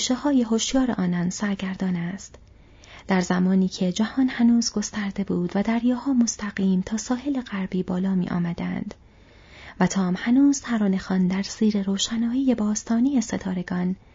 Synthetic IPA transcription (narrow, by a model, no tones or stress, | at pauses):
uʃehɒːjeɦoʃjɒːɾḛʔɒːnɒːnsæɾɟæɾd̪ɒːnæst̪ | d̪̥æɾzæmɒːniːcʰe̞d͡ʒæhɒːnhænuːzɡo̞st̪æɾd̪e̞buːd̪væd̪æɾjɒːhɒːmo̞st̪ʰæɣiːmt̪ʰɒːsɒːhe̞le̞ɣæɾbiːbɒːlɒːmḭːʔɒ̰ːmæd̪ænd̪̥ | væt̪ʰɒːmhænuːz̥t̪ʰæɾɒːne̞xɒːnd̪æɾz̥iːɾe̞ɾoːʃænɒːjejebɒːst̪ʰɒːnijeset̪ʰɒːɾe̞ɡ̥ɒːn